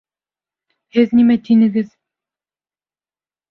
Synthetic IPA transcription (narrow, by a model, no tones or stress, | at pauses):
hɘznimæt̪inɘ̆ɡɘz